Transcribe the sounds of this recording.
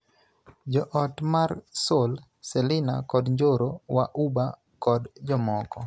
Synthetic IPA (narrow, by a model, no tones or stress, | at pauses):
d͡ʒɔʔɔtmarsol | selɪna̰kɔdɲd͡ʒoɾowa̰ʔuba | kɔdd͡ʒɔmɔkɔ